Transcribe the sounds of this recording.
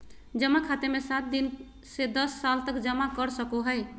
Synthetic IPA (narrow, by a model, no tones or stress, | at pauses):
d͡ʒəmakʰat̪emesat̪̚d̪in | sed̪əsːalt̪əkd͡ʒəmakəɾsəkoɦəj